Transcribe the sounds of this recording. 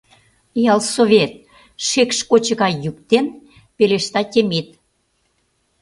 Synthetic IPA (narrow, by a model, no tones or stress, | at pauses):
jɑlsoβʲet̪̚ | ʃekʃkot͡ɕə̆ɣɑjykt̪en | peleʃt̪ɑtʲemit̪̚